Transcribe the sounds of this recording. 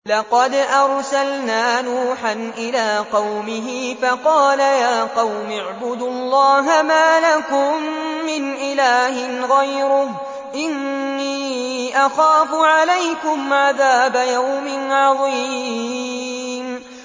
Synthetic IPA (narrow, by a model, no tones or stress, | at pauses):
lɑqɑd̪ʔɑɾˤsalnaːnuːħanʔɪlaːqɑwmɪɦɪfɑqɑːlajaːqɑwmɪʕbʊd̪ʊɑlˤːɑːɦamaːlakʊmːɪnʔɪlaːhɪnɣajɾʊh | ʔɪnːiːʔɑxaːfʊʕalajkʊmʕaðaːbajawmɪnʕɑðˤi | m